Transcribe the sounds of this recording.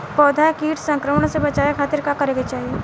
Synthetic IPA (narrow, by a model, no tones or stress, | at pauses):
pɔːd̪ʱakiːʈʰsɐ̃ŋkɾəməɽ̃sebɐt͡ʃaːekʰaːt̪ɪɾkakɐɾeːɡet͡ʃaːɦie